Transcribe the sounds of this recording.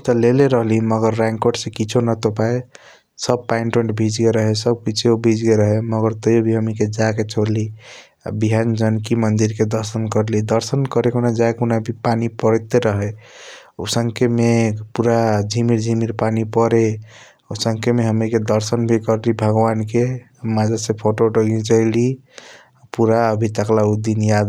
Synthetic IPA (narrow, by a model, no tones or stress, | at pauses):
t̪ɔleleɾəɦliməɡəɾːɛ̃ŋkoʈsẽkit͡ʃʰonat̪opae | səb̚painʈoʈbʱid͡ʒɡeɾəɦesəb̚kit͡ʃʰeobʱid͡ʒɡeɾəɦeməɡəɾt̪əjobʱiɦəmiked͡ʒaket͡ʃʰoɾli | a̰biɦand͡ʒənkimənd̪iɾked̪əɾsənkəɾlid̪əɾsənkəɾekunad͡ʒakunabʱipanipəɾt̪eɾəɦɛ | o̰səŋkʰemepuɾad͡ʒʱimiɾd͡ʒʱimiɾpanipəɾe | osəŋkʰemeɦəmiked̪əɾsənbʱikəɾlibʱəɡbanke | mad͡ʒasẽpʰoʈoɖəɡĩt͡ʃəli | puɾaəbʱit̪əklaud̪injad̪